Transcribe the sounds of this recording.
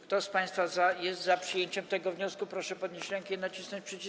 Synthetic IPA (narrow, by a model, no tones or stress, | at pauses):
kt̪ɔspaj̃st̪fazajɛst̪zapʂɨjeɲt͡ɕɛmt̪ɛɡɔvɲɔskupɾɔʂɛpɔd̪ɲeɕɾɛŋkɛnat͡ɕisnɔɲt͡ɕpʂɛt͡ɕi